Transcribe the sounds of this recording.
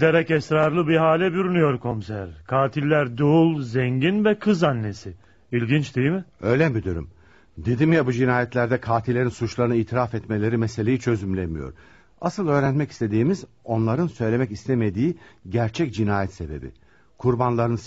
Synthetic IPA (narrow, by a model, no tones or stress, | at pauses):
d̪eɾɛcɛsɾaɾlˠɯbiɦaːlʲɛbyɾynyjo̞ɾkʰo̞msæɾkʰaːt̪ʰilʲːæɾd̪uulˠzɛɲɟinvɛkʰɯzanːe̞sɪ | ilʲɟint͡ʃd̪ejmɪøːjlʲɛbyd̪yɾy̰m | d̪ed̪imjabud͡ʒinaːjɛt̪lʲæɾd̪ɛkʰaːt̪ʰilʲːeɾinsut͡ʃlˠaɾɯnɯiːt̪ʰiɾafɛt̪me̞lʲe̞ɾimese̞lʲe̞jit͡ʃʰø̞zymlʲemijo̞̰ɾ | a̰sɯlˠø̞ːɾænmɛci̥st̪ʰe̞d̪iːmiz | o̞nlˠaɾɯnsø̞jlʲe̞mɛcist̪ʰeme̞d̪iːɟæɾt͡ʃʰɛcd͡ʒinaːjɛt̪se̞be̞̰bḭ | kʰuɾbanlˠaɾɯn